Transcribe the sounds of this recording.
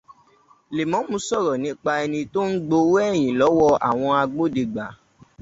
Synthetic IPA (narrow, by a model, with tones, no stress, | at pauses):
le˨mɔ̃˨˦mũ˧sɔ˦˨ɾɔ˨nĩ˨˦k͡pa˧ɛ˧nĩ˧to˦n̩˦ɡ͡bo˧wɛ˦˨j̃ĩ˨lɔ˨˦wɔ˧a̰˨w̃ɔ̃˧a˧ɡ͡bo˦de˧ɡ͡ba˨˦